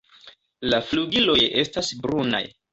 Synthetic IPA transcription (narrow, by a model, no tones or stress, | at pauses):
lafluɡilo̞je̞stasbɾuna̰j